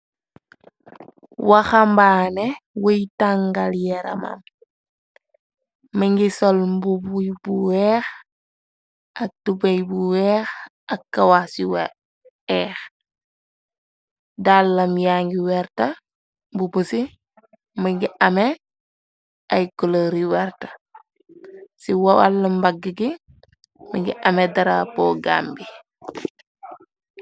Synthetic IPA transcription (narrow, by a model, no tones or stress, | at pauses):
waxambaːnewəjtaŋɡaljɛɾɐ̰ma̰m | mɐŋɡisolmbubujbuwɛːx | ɐk̚tubejbuwɛːx | ɐkːawasiw | ɛːx | dalːɐmjaːŋɡiwɛɾtɐ | bubusi | miŋɡiʔɐme | ɐjkɔloɾiwɛɾtɐ̥ | siwawa̰lːɐmbaɡəɡi | miŋɡḭʔɐmedɐɾapɔɡa̰ːmbi